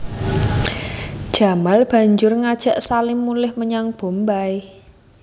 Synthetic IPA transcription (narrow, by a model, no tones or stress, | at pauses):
d̥ʒ̥a̤malb̥a̤ɲd͡ʒʊrŋad̥ʒ̥a̤ʔsalɪmːulɪhməɲaŋb̥o̤mbaj